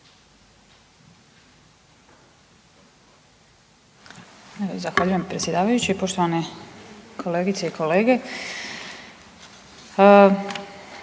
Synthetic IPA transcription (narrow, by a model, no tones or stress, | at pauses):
zaxʋaːʎuje̞mpɾe̞t̪sʲje̞d̪aːʋajut͡ɕiipo̞ʃt̪oane̞ | kʰo̞le̞ɡit̪se̞ikʰo̞le̞ːɡe̞